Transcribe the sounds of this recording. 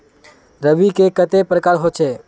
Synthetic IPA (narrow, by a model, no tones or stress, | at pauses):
ɾəʋikekət̪epɾəkaːɾɦot͡ʃʰeː